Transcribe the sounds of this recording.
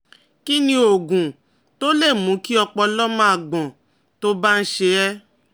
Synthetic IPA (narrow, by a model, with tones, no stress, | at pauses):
ki˦nĩ˧˦o˨ɡũ˨ | to˦le˦˨mũ˨˦ki˦ɔ˧k͡pɔ˧lɔ˦mã˦a˧˨ɡ͡bɔ̃˨ | to˦ba˦n̩˦ʃe˧ɛ˦